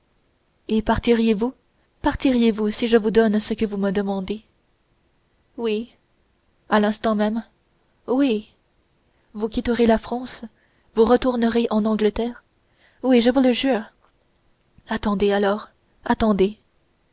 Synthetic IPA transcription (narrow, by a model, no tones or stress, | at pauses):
epaʁt̪iʁjevu | paʁt̪iʁjevusiʒəvud̪ɔnsəkəvuməd̪əmɑ̃d̪e | wi | alɛ̃st̪ɑ̃mɛm | wi | vukʲit̪əʁelafχɑ̃s | vuʁət̪uʁnəʁeʔɑ̃nɑ̃ɡlət̪ɛːʁ | wiʒəvuləʒyːʁ | at̪ɑ̃d̪ealɔːʁ | at̪ɑ̃d̪e